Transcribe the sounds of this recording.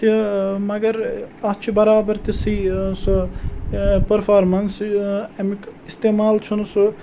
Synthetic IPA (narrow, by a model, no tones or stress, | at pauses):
t̪imɐɡɐɾɐt͡ʃʰibɐɾaːbɐɾt̪isiːsu | pɐɾpʰaːɾmɐnsemikist̪eːmaːlt͡ʃʰunsu